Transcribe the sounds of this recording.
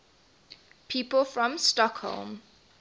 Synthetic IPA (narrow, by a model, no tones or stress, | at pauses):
pʰiːˑpəlˠfɹɔ̃mstɔkho̰lˠm